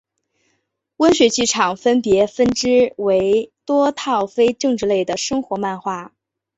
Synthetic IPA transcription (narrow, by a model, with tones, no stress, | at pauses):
wə˥nɕɥɛ˧˥t͡ɕi˥˩ʈ͡ʂʰɑ˨˩ŋfə˥npjɛ˧˥fə˥nʈ͡ʂɻ̩˥we˧˥ɪt̪wɔ˥t̪ʰɑ˥˩ʊfe˥ɪʈ͡ʂɤ˥˧ŋʈ͡ʂɻ̩˥˧le˥˩ɪd̪ə˩ʂɤ˥ŋxwɔ˧˥ma˥˧nxwa˥˩